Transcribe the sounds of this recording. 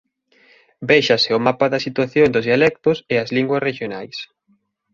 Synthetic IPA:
bɛjʃasɪʊmapaðɐsit̪waθjond̪ʊzðialɛk̚t̪ʊsɪɐzliŋɡwɐsreʃjonajs

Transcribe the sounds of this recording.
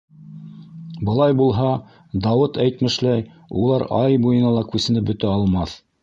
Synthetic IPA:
bɤ̆lˠɑjbulˠɦɑ | d̪ɑwɤt̪æjt̪mɘ̆ʃlæj | ulˠɑɾɑjbujɤ̆nɑlˠɑkʉsɘ̆nɘp̚bɵ̆t̪æɑlˠmɑθ

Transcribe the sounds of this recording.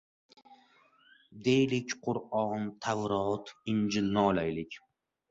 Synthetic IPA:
d̪e̞jlɪkʲqʰʊɾɒnt̪ʰavɾɒt̪ʰɪnd͡ʒɪlːalajlɪkʲ

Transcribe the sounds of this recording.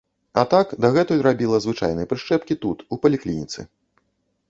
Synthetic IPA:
at̪akd̪aɣɛt̪ujʲrabʲilˠɐzvɨt͡ʂa̰jnɨjɐpɾɨʂt͡ʂɛpkʲit̪ut̪upɐlʲiklʲinʲit̪sɨ̰

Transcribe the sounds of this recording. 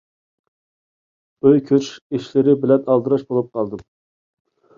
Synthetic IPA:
øjkʲʰøt͡ʃiʃlɪɾɪbɪlɛnɑlˠd̪ɨɾɑʃbolˠup̚qʰɑlˠd̪ɨm

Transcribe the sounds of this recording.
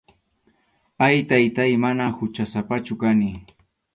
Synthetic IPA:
ajt̪ajt̪ajmanahʊt͡ʃasapat͡ʃʊkanɪ

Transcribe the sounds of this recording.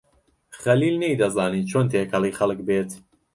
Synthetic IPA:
χɐliːlnejd̪ɐzaːniːt͡ʃʰoːnt̪ʰeːkʰɐlˠixɐlˠək̚beːt̪

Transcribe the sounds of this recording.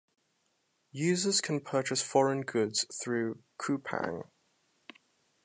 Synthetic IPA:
jʉːzəz̥kʰə̃npʰɜˑt͡ʃɪsfɒɹə̃nɡʊdz̥θɹʉːkʰʉˑpʰã̰ŋ

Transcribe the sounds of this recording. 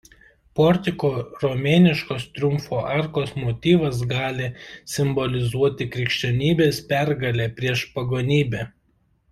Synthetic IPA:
pɔɾʲt̪ʲɪkoːɾomʲeːnʲɪʃkoːst̪ʲɾʲʊmfoːʔɑˑɾkoːsmoːt̪ʲiːʋɐs̬ɡɑːlʲɪsʲɪmbɔlʲɪzuɔt̪ʲɪkɾʲɪkʃʲt͡ʃʲɛnʲiːbʲeːspʲæɾɡɐlʲeːpʲɾʲiɛʃpɐɡoːnʲiːbʲɛː

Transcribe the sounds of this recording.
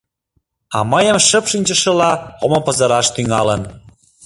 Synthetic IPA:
ɑ̰məjəmʃəpʃinʲt͡ɕə̆ʃə̆lɑomopɤ̆zəɾɑʃt̪yŋɑlən

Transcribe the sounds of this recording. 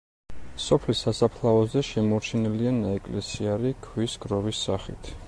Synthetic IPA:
sɔpʰlisasapʰlˠaɔzɛʃɛmɔɾt͡ʃʰɛnɛlianaɛkʼlɛsiaɾikʰwisɡɾɔvisːaχit̪ʰ

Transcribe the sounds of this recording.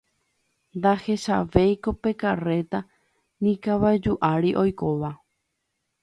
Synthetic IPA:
nd̪ahe̞ʃaʋejko̞pe̞kare̞t̪a | nĩkaʋad͡ʒuʔaɾiʔo̞jko̞ʋa

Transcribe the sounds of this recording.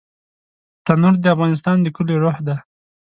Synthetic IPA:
t̪anuɾd̪əafɣɑnɪs̬t̪ɑnd̪əkʊleɾohd̪a

